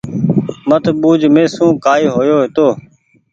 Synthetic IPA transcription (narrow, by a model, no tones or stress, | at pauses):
mət̪ʰɓuːd͡ʒmẽːsũːkaːiːɦoːjoːɦɪt̪oː